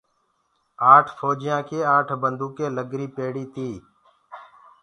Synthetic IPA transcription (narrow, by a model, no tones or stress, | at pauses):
aːʈʰfʰoːd͡ʒɪjãːkʰeːaːʈʰbənd̪ʱuːkeːləɡɾiːpeːɽiːt̪iː